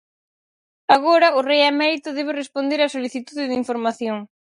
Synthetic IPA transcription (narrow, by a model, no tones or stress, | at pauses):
aɣoɾɐʊrejamɛɾit̪ʊðɛβ̞ɪrespond̪eɾasoliθit̪uðɪðiɱfoɾmaθjoŋ